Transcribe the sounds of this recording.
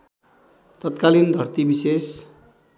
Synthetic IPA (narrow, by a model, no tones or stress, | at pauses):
t̪ʌt̪̚kalind̪ʱʌrt̪ibises